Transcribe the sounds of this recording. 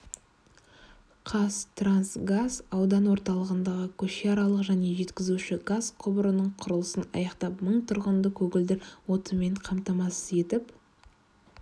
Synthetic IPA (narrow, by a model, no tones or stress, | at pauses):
qʰɑst̪ransɡazɑwd̪ɑnwo̞ɾt̪ɑlˠəʁənd̪ɑʁəkʲʰɵʃeɑɾɑlˠəqʒæne̞ʒe̞t̪kʲɪzuʃɪɡaz̥qʰʊbəɾənəɴqʰʊɾəlˠəsənɑ̰jɑqt̪ɑpməɴt̪ʰʊɾʁənd̪əkʲʰɵɡʲɪld̪ɪɾwo̞t̪əme̞ɴqʰɑmt̪ɑmɑsə̥ze̞t̪ɪp